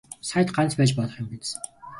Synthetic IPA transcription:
sajt̪ɢant͡spæːt͡ɕpɔɮɞ̆χɔ̆mɡit͡s

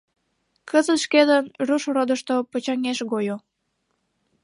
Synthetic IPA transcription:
kəzət̪ʃked̪ənruʃɾod̪əʃt̪opət͡ɕɑŋeʃɣojo

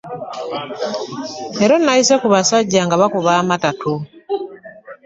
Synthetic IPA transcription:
ɛɾɔnaisɛkuβasaɟaŋɡaβakuβamatatu

